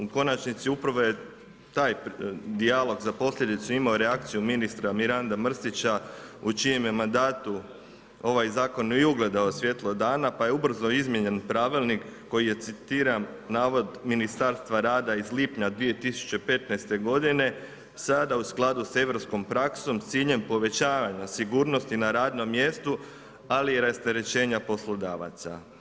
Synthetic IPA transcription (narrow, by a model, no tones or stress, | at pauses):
uko̞nat͡ʃnit̪siupɾʋo̞je̞ | t̪aːjd̪ialˠo̞ɡzapo̞sʎʲe̞d̪it̪suimaoɾeak̚t̪sijuminist̪ɾamiɾand̪amr̩st̪it͡ɕaut͡ʃijemje̞mand̪aːt̪u | o̞ʋajzaːko̞nojuɡlˠe̞d̪aosʋje̞t̪lˠod̪aːnapaje̞ub̩zno̞izmʲje̞ɲe̞npɾaːʋilˠnikːo̞jije̞t̪sit̪iːɾanaːʋo̞d̪minist̪aɾst̪ʋaɾaːd̪aizliːpɲad̪ʋije̞t̪isu̥t͡ɕe̞pe̞t̪najst̪e̞ɡo̞d̪ine̞ | sad̪ausklˠad̪use̞ʋɾo̞psko̞mpɾakso̞mt̪siːʎe̞mpo̞ʋe̞t͡ɕaːʋaɲasiɡuːɾno̞st̪inaɾaːd̪no̞mːje̞st̪u | aliɾast̪eɾe̞t͡ɕe̞ːɲapo̞slˠo̞d̪aːʋa̰t̪sa̰